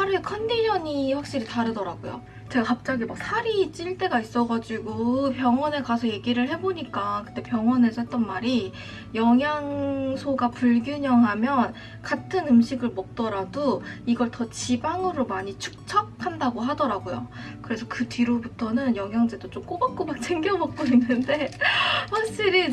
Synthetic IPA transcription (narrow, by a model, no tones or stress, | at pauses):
aɾekʰʌndiɲʰʌɲiɸwak̚ɕ͈iɾitaɾɯdʌɾaɡojo̰ | t͡ɕe̞ɡakap̚t͡ɕ͈aɡimak̚sʰaɾiːt͡ɕ͈iɭt͈e̞ɡais͈ʌɡad͡ʑiɡopjʌŋwʌne̞kasʰʌje̞ɡiɾɯɭɦe̞boɲik͈akɯ̥t͈e̞pjʌŋwʌnesʰʌt̚t͈ʌnmaɾi | jʌŋɦjaŋsʰoɡapuɭɡjuɲʌŋɦamjʌn | katʰɯnɯmɕʰiɡɯɭmʌk̚t͈ʌɾadoiɡʌɭtʌt͡ɕibaŋɯɾomaɲit͡ɕʰu̥k̚t͡ɕʰak̚ʰandaɡoɦadʌɾaɡojo̰kɯɾe̞sʰʌkɯtiɾobutʰʌnɯnjʌŋɦjaŋd͡ʑe̞dot͡ɕ͈omk͈obak̚k͈omak̚t͡ɕʰeŋɡjʌmʌk̚k͈oinːɯnde̞swʌɕʰiɾi